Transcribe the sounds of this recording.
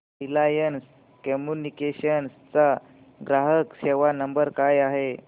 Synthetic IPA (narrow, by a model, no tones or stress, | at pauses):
ɦilajəns | kɔmjunikeɕənst͡sa | ɡɾaɦəkɕeʋanəmbəɾkajaɦe